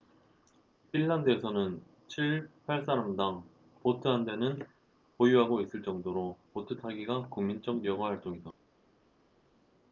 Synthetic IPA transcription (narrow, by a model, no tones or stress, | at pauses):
pʰinːandɯe̞sʰʌnɯn | t͡ɕʰiɭpʰaɭs͈aɾamdaŋ | potʰɯɦande̞nɯn | pojuɦaɡois͈ɯɭt͡ɕ͈ʌŋdoɾopotʰɯtʰaɡiɡakuŋmint͡ɕ͈ʌk̚jʌɡwaɦaɭt͈oŋida